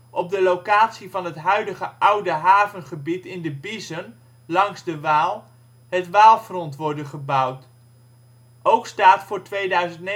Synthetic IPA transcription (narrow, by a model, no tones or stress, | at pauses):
ʔɔb̚dəlokaːtsivɑnɦətɦœɥdəχəʔʌwdəɦaːvənχəbitɪndəbizən | lɑŋzdəʋaːlˠ | ɦətʋaːlˠfrɔntʋɔɹdənχəbʌwt | owkstaːtfʊːɹtʋejdœɥzəntne